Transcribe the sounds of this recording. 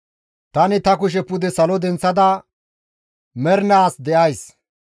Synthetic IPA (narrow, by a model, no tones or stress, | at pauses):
t̪ɐnɪt̪ɐkʊʃ̬ɛpːʊd̪ɛsɐlɔd̪ɛnt͡sːɐd̪ɐ | mɛɾnaːsd̪ɛʔɐjs